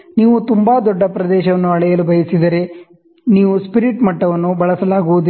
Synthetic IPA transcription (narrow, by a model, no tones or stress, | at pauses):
niːʋut̪umbaːd̪ɔɖːɐpɾɐd̪ɛːʃɐʋɐnːuɐɭɛjɐlubʱɐjɐsid̪ɐɾe̞ | niːʋuspiɾiʈmɐʈːɐʋɐnːubɐɭɐsɐlaːɡuʋud̪i